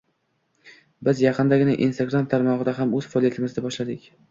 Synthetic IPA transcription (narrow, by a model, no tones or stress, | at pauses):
bɪzjɑqʰɨnd̪aɡʲɪnɪʔḭnst̪aɡɾamt̪ʰaɾmɒʁɨd̪aɦamɵz̥fɑɒlˠijat̪ʰɪmɪzd̪abɒʃlad̪ɪkʲ